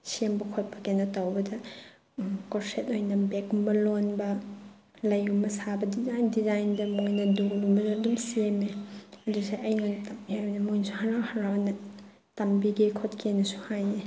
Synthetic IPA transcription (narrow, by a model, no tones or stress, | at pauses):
sembɐkʰot̚pʰɐ̥kenotawbɐdɐ | koɾsetojnɐbekumɐlonbɐ | lɐjumɐsabɐdizajndizajndɐmojnɐdulːumbɐzudumsemeɐdusejɐjnojnɐtɐmihajbɐnɐmojnsuhɐɾawhɐɾawnɐ | tɐmbiɡikʰot̚kʰenɐsuhaje